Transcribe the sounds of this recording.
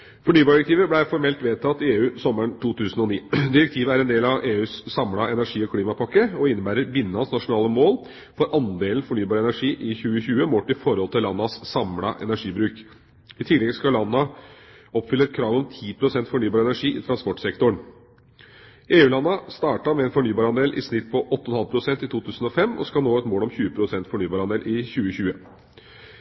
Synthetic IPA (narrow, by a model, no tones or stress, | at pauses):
fɔɳyːbɑːɾɖɪɾɛk̚t̪iːʋəblæɪfɔɾmɛlt̪ʋeːt̪ʰɑt̪ːɪeːʉːsɔməɳʈ̪ʰuːt̪ʰʉːsənɔniːd̪ɪɾɛk̚t̪ʰiːʋəæɾɛnd̪eːlɑʋeːʉːssɑmɽɑɛnæɾʂiːɔkʰliːmɑpʰɑkːəɔɪnːəbæːɾəɾbɪnːəɑnsnɑʂʊnɑːləmoːl | fɔɾʔɑnd̪eːlən̩fɔɳyːbɑːɾəɛnæʂiːʔɪçʉːəçʉːəmoːʈɪfɔɾhɔlt̪ʰɪlːɑnːɑssɑmɽɑ̰ʔɛ̰næʂiːbɾʉːk | ɪt̪ʰɪlɛɡskɑlɑnːɑ | ɔpːfʏlːəɾɛt̪̚kʰɾɑːʋɔmt̪ʰiːpʰɾʊsɛnt̪fɔɳyːbɑːɾɛnæʂiːʔɪt̪ʰɾɑnspɔʈsɛkt̪ʊɳ | ʔeːʉːlɑnːɑst̪ɑːʈɑmɛɛnfɔɳyːbɑːɾɑnd̪eːlʔɪ̰snɪt̪pʰɔʔɔt̪ːəɔnhɑlpʰɾʊsɛnt̪ɪt̪ʰuːt̪ʰʉːsn̩ɔfɛmːʔɔ̰skɑlnoːɛt̪moːlɔmçʉːəpʰɾʊsɛnt̪fɔɳyːbɑːɾɑnd̪eːlʔɪçʉːəçʉːə